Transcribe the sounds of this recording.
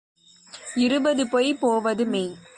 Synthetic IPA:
ɪɾɯbɐðɯpɔjpoːʋɐðɯmeː

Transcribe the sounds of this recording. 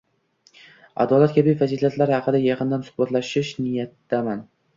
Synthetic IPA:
a̰d̪ɒːlat̪̚kʲʰabijfaziːlat̪laɾhɑqɨd̪ajɑqʰɨnd̪ansʊ̥hbat̪laʃɪʃnɪjat̪ːaman

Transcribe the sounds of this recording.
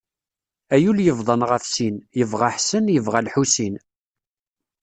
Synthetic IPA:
æjuljəvðˤənʁəfsinjəvʁaħsənjəvʁalħusin

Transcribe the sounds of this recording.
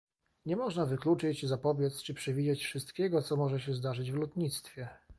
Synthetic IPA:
ɲɛmɔʐnavɘklut͡ʂɘt͡ɕzapɔvʲjɛt̪st͡ʂɘpʂɛvʲid͡ʑɛt͡ɕfʂɘst̪kʲɛɡɔt̪sɔmɔʐɛɕɛzd̪aʐɘd͡ʑvlɔt̪ɲit̪st̪fʲjɛ

